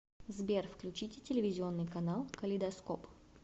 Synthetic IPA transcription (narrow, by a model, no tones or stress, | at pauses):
zbʲerfklʲʉt͡ɕitʲɪtʲɪlʲɪvʲɪzʲɪo̞nːɨjkɐnalˠkəlʲɪd̪ɐskop